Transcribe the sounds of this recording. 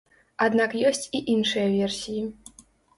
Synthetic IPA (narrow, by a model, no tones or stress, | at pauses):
ad̪nakjɔsʲt͡sʲiʔinʂɨjɐvʲɛrsʲiji